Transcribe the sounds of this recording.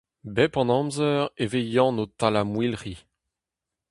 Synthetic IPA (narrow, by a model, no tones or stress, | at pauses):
bɛpɑ̃nɑ̃mzœʁevejɑ̃not̪alamwilʁi